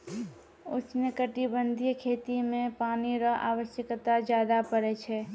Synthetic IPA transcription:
ʊ̰t͡ʃnəkəʈibənd̪ʱijkʰeːt̪imẽpaːniɾəɦʔa̰ːʋəʃjəkt̪ad͡ʒjaːd̪apəɾɛt͡ʃʰɛ

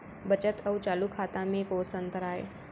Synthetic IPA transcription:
bət͡ʃət̪ɐwt͡ʃaːlukʰaːt̪ãmẽkoːsə̃nt̪əɾaːḛː

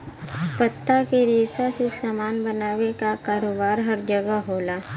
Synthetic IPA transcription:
pət̪ːakeɾeːsasesaːmaːnbənaːʋekakaːɾoːbaːɾɦɐɾd͡ʒəɡaɦoːlaː

